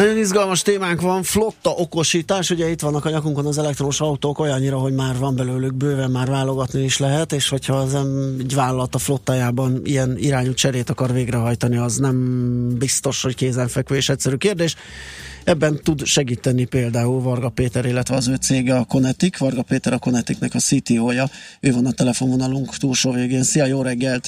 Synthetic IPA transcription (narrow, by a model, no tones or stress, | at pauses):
nɒɟo̞nizɡɒlmɒʃt̪eːmaːŋkʋɒɱflo̞t̪ːɒʔo̞ko̞ʃiːt̪aːʃuɟɛit̪ʋɒnːɒkɒɲɒkuŋkonɒzɛlɛk̚t̪romoʃɒut̪oːko̞jɒɲːiɾɒɦo̞ɟmaːrvɒmbɛløːlyɡ̚bøːvɛmmaːrvaːlo̞ɡɒt̪niiʃlɛɦɛt̪eːʃho̞cʰhɒzɛmiɟʋaːlɒlɒt̪ɒflo̞t̪ːaːjaːbɒnḭjɛniɾaːɲut͡ʃɛɾeːt̪ɒkɒrveːɡrɛɦɒjt̪ɒniɒznɛmbist̪o̞ʃho̞ckeːzɛɱfɛkʋøːeːʃɛcsɛɾyːkeːrd̪eːʃ | ɛbːɛnt̪ud̪ʃɛɡiːt̪ɛnipeːld̪aːulvɒrɡɒpeːt̪ɛɾilːɛt̪ʋɛɒzøːt̪seːɡɛɒko̞nɛt̪ikvɒrɡɒpeːt̪ɛɾɒko̞nɛt̪iknɛkɒsit̪ioːjɒøːvɒnɒt̪ɛlɛfo̞nɦonɒluŋkt̪uːlʃoːveːɡeːnsiɒjoːɾɛɡːɛlt̪